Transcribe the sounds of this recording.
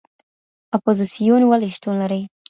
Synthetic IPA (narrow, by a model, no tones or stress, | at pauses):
ɔpozisijunwaliʃʈunlaɾəj